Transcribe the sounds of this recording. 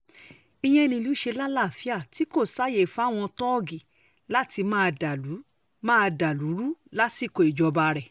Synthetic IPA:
i˧j̃ɛ̃˦˧nĩ˧lu˦ʃe˧la˦la˦˨fi˦a˦˨ti˦ko˦˨sa˦je˨fa˦˨w̃ɔ̃˧tɔ˦ɡi˨ | la˦ti˧mãː˦˧da˨lu˨˦ | mãː˦˧da˨lu˨˦ɾu˦la˦si˦˨ko˨i˨d͡ʒɔ˧ba˧ɾɛ˨

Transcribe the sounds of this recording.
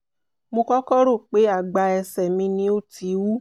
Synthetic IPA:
mõ˧kɔ˦kɔ˦ɾo˦˨k͡pe˨˦a˦˨ɡ͡ba˧ɛ˧sɛ˨mĩ˧nĩ˦o˦tʰi˨˧wu˦

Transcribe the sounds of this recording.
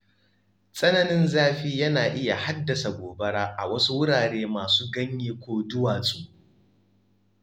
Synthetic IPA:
sʼɐ˦nɐ˦nɪ˦nzaː˦ɸiː˦jɐ˦naː˨ʔɪ˦ja˨ha˦dːɐ˨sa˨ɡʷoː˨bɐ˦ɽaː˦ʔa˨wɐ˦su˦wʊ˦ɽaː˨ɽeː˦maː˨suː˦ɡɐ˦ɲjiː˦kʷoː˦dʊ˦waː˨sʼoː˦˨

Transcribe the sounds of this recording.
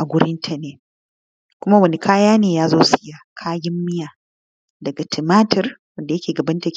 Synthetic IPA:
ʔa˨ɡʷʊ˦ɾɪ˦ntʰɐ˨neː˦ | kʷʊ˦ma˦wɐ˨ne˨kʰaː˦jaː˦neː˨jaː˦zoː˦sɪ̥˨˦jaː˦kʰaː˦ɡɪ˦mːɪ˦jaː˨ | dɐ˨ɡa˨tʰɪ˨maː˦tʰɐ˨rwɐ˦nda˨jɐ˦kʲeː˨ɡɐ˨bɐ˦ntɐ˨kʲ

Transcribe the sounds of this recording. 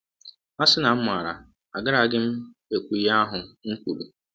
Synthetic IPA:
a˦sɪ˦na˨˦m̩˦mʊ˨a˨ɾa̰˨ | a̰˨ɡɪ˦ɾa˨˦ɡɪ˦m̩˦ | e˨kʷu˨˦a˦ɦʊ˨ŋ̩˦kʷu˨ɾu˨

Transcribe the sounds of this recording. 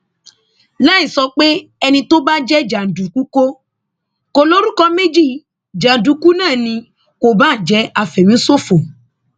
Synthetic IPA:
la˦i˦˨sɔ˧k͡pe˦ɛ˧nĩ˧to˦ba˦d͡ʒɛ˦d͡ʒa˨du˨ku˦ko˦ | ko˧lo˦ɾu˦kɔ˧me˦d͡ʒi˦˨ | d͡ʒa˨du˨˦ku˦nãː˦˨nĩ˧ | ko˨ba˦˨d͡ʒɛ˨˦a˧fɛ˨mĩ˨˦so˦fo˨

